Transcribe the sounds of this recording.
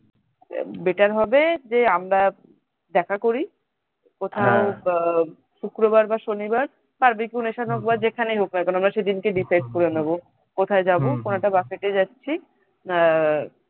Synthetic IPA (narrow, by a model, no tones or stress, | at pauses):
beʈaɾɦɔbed͡ʑeamɾa | d̪ɛkʰakoɾi | kot̪ʰao | ʃukɾobaɾbaʃonibaɾ | paɾbikiuneʃanɦokbad͡ʑekʰanejɦoknakanoamɾaʃed̪inkeɖifeskoɾenebo | kot̪ʰaed͡ʑabokonoɛʈabakeʈed͡ʑatːɕʰi